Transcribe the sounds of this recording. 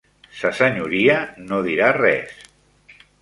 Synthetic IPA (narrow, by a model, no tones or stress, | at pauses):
səsəɲuɾiənoðiɾarɛ̰s